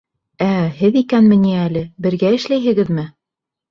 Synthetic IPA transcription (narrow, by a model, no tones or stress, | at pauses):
æhɘðikænmɘ̆niælɘbɘ̆ɾɡæɘ̆ʃlæjɦɘ̆ɡɘðmɘ